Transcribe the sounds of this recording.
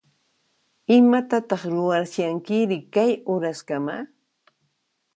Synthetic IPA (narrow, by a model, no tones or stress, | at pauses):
ɪmat̪at̪ɑχɾʊwaɾsjaŋkɪɾɪkajʊɾaskama